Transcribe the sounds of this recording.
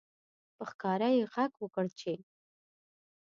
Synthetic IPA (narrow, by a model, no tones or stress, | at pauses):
pəxkɑɾajeɣakwəkəɽt͡ʃe